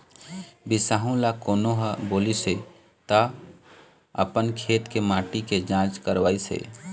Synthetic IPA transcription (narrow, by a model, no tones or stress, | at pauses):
bisaɦũlakoːnoɦəbolise | t̪ə | ə̰pənkʰet̪kemãʈiked͡ʒãt͡ʃkəɾʋaɪsḛ